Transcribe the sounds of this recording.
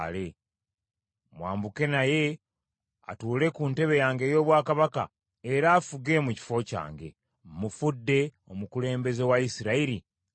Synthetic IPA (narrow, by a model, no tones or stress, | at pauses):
le̞ | mwaːmbuke̞naje̞ | a̰tuːle̞kunte̞βe̞jaːŋɡe̞ːjo̞ːβwaːkaβaka̰ | eɾaːfuɡe̞muci̥fo̞ca̰ːŋɡe̞̰ | mufudːe̞ | o̞mukule̞ːmbe̞ze̞waisiɾaiɾi